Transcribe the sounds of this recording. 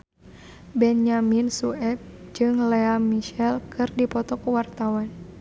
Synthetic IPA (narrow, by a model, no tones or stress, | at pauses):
bɛnjaminsuɛp̚d͡ʒɨŋlɛamiʃɛlkʰɨrdipɔt̪ɔkwart̪awan